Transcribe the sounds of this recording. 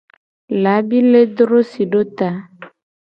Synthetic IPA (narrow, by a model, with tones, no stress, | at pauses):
la˨˦bi˦le˦d̪ɾo˦si˨ɖo˦t̪a˦